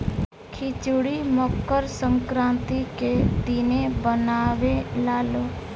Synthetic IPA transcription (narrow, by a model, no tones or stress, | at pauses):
kʰit͡ʃʊɽimɔkːəɾsəŋkɾãːnt̪iked̪inebənaːʋelaːloː